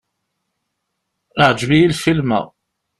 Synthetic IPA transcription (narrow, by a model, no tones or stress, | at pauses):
əʕd͡ʒβijilfilmæ̰